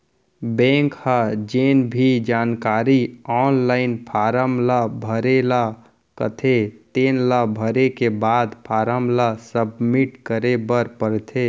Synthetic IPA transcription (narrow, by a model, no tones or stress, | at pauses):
bɛ̃ːŋkhad͡ʒeːnbʱid͡ʒaːnkaːɾiɔːnlaːɪnpʰaːɾəmlabʱəɾela | kət̪ʰet̪eːnlabʱəɾekebaːd̪pʰaːɾəmlasəbmiʈkəɾebəɾpəɾt̪ʰe